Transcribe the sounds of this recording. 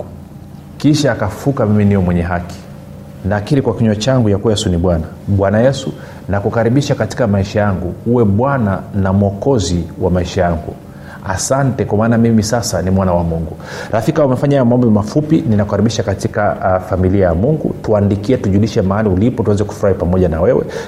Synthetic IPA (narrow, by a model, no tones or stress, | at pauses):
kiʃaːkaffukamiminijɔmwɛɲɛɦaki̥ | nakiɾikwakiɲɔt͡ʃaŋɡujakuwajɛsuniɓwana | ɓwanajɛsu | nakukaɾiɓiʃakati̥kamaiʃajaŋɡuuwɛɓwananamɔkɔziwamaiʃajaŋɡṵ | a̰santɛkwamaːnamimisasanimwanawamuŋɡu | ɾafikaumɛfaɲajɔmambɔmafupininaku̥kaɾiɓiʃakatikafamiliajamuŋɡṵtuandikiɛtuʄuliʃɛmaaliulipɔtwanzɛku̥fuɾahipamɔʄanawɛwɛ̰